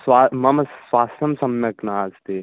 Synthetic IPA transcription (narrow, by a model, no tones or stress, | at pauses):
swamɐmɐswaːsɐmsɐmjɐknaaːzt̪e